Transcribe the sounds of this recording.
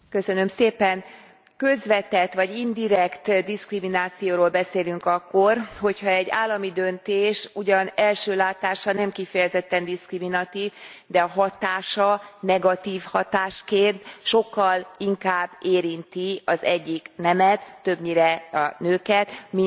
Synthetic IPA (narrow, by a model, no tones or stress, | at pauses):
kø̞sø̞nø̞mseːpɛn | kø̞zʋɛt̪ɛt̪ʋɒɟind̪iɾɛkt̪d̪iskriminaːt̪sijoːɾoːlbɛseːlyŋkɒkːo̞rho̞chɒɛɟːa̰ːlːɒmid̪ønt̪eːʃuɟɒnɛlʃøːlaːt̪aːʃɒnɛmkifɛjɛzɛt̪ːɛnd̪iskriminɒt̪iːvd̪ɛɒɦɒt̪aːʃɒnɛɡɒt̪iːfhɒt̪aːʃkeːrd̪ʃo̞kːɒliŋkaːbːeːɾint̪iɒzɛɟːiknɛmɛt̪ːø̞bɲiɾɛɒnøːkɛt̪mi